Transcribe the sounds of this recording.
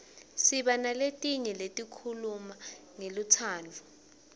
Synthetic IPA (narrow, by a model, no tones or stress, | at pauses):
siɓanaletʼiɲɛletʼikʰulumaŋelut͡sʰaːnt͡fu